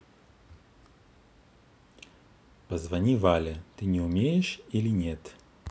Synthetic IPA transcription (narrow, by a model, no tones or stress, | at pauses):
pəzvɐnʲivalʲɪt̪ɨnʲɪʊmʲejɪʂilʲɪnʲet̪